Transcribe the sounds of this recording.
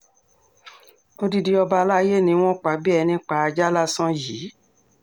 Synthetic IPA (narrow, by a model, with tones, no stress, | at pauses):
o˧di˧di˧ɔ˧ba˧la˦je˦˨nĩ˧˦w̃ɔ̃˦k͡pa˨˦bi˦ɛ˧nĩ˦k͡pa˧˦a˧d͡ʒa˦la˦sɔ̃˦ji˨˦